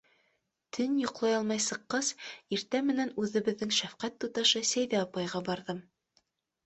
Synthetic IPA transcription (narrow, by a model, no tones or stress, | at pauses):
t̪ʰɘnjŏqlˠɑjɑlˠmɑjsɤ̆qːɤziɾt̪æmːɘ̆nænʉðɘ̆βɘ̆ðːɘŋʃæfqæt̪ːut̪ɑʃɤsæjðæɑpɑjʁɑbɑɾðɤm